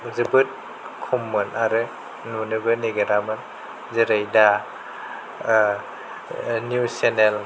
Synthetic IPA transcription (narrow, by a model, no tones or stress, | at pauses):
zɯbɯt̚ | kʰumːɯnaɾɯ | nunɯbɯneɡeɾamɯn | zɯɾajda | njusenel